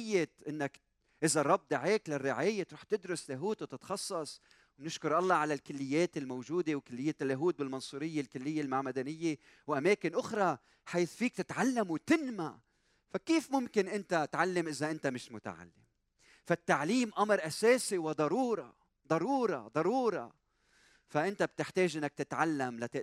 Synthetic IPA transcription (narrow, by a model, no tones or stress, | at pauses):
jːeʔɪnːak | ʔɪzarˤːɑb̚ːd̪aʕeːklarːɪʕaːjːet̪ɾuːħt̪ɪd̪ɾʊslaɦuːt̪wt̪ɪt̪xɑsˤːɑsˤ | wnɪʃkʊɾʔɑlˤːɑʕalalkʊlːɪjːeːt̪ɪlmowʒuːd̪ewkʊlːɪjːelːaɦuːt̪̚bɪlmɑnsˤuːɾɪjːelkʊlːɪjːelmaʕmad̪anɪjːe | wʔameːkɪnʔʊxɾˤɑ | ħaːθfiːk̚t̪ɪt̪ʕalːamwt̪ɪnma | fakeːfmʊmkɪnʔɪnt̪at̪ʕalːamʔɪzaʔɪnt̪amɪʃmʊt̪a̰ʕa̰lːɪm | fat̪ːaʕliːmʔamɾˤʔaseːsiwɪd̪ˤɑɾuːɾˤɑ̰ | d̪ˤɑɾuːɾˤɑ̰d̪ˤɑɾuːɾˤɑ̰ | faʔɪnt̪ab̚t̪ɪħt̪eːʒʔɪnːak̚t̪ɪt̪ʕalːamla